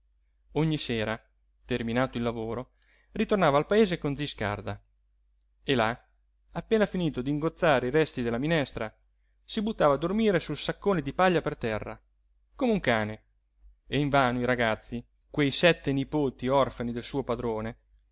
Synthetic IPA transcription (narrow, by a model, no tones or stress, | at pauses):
oɲːiseːɾa | t̪erminaːt̪oilːavoːɾo | rit̪ornaːvaːlpaeːzekonziska̰rd̪a | ela | apːeːnafiniːt̪od̪iŋɡot̪sːaːɾeiɾɛst̪id̪elːaminɛst̪ɾa | sibut̪ːaːvaːd̪ːormiːɾesulsakːoːned̪ipaʎːapert̪ɛrːa̰ | komeuŋkaːne | eiɱvaːnoiɾaɡat̪sːi | kwejsɛt̪ːenipoːt̪iɔrfanid̪elsuːopad̪ɾoːne